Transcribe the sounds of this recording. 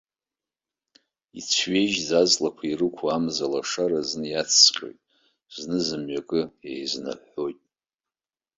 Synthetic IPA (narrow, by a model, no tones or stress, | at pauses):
ḭt͡sʷʰɥe̞jʒzazlakʷʰairɨkʷʰaamzalaʂaɾaznɨjat͡sʰːqʲʼo̰jtʼ | znɨzɨmɥakʼɨejzna̰ħo̞jtʼ